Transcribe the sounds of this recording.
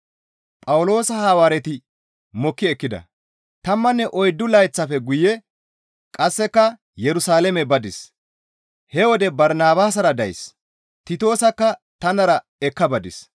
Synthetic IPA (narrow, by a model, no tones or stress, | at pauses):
pʼɐwʊlo̞ːsɐhaːwaːɾɛt̪ɪ | mɔkːɪɛkːɪd̪ɐ̰ | t̪ɐmːɐnːɛʔɔjd̪ːʊlɐjt͡sːɐfɛɡʊjɛ | kʼɐsːɛkːɐ | jɛɾʊsaːlɛmɛbɐd̪ɪs | hɛwɔd̪ɛbɐɾnaːbaːs̬ɐɾɐd̪ɐjs | t̪ɪt̪o̞ːsɐkːɐ | t̪ɐnɐɾɐ | ɛkːɐbɐd̪ɪs